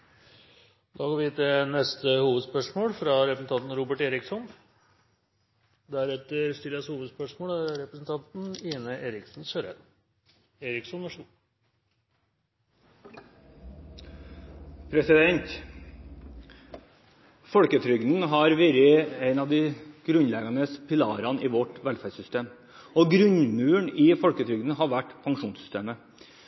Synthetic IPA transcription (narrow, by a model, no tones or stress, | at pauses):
d̪ɑːɡoːɾʋɪt̪ɪnɛst̪əhuːʋəd̪spœʂmoːlfɾɑɾɛpɾəsn̩t̪ʰɑnt̪n̩ɾuːbəʈeːɾɪksɔn | d̪æɾɛt̪əɾst̪ʏɾəshuːʋəd̪spœʂmoːlæɾɾɛpɾəsn̩t̪ʰɑnt̪n̩iːnəʔeːɾɪksn̩ɕøːɾɛ̰d̪ | eːɾɪksɔnʋɑʂ | pʰɾɛsɪd̪ɛɲt̪ | fɔlkət̪ʰɾʏɡd̪n̩ɦɑɾʋɪɾɪæɪnɑʋd̪ɪɡ̥ɾʉnlɛɡɑnəspʰɪlɑːɾɑniːʋɔʈʋɛlfæsʏst̪eːm | ɔɡɾʉɲmʉːəɳɪːfɔɽkət̪ʰɾʏɡd̪n̩hɑʋæʈpʰɑŋʂuːnsʏ̥st̪eːmə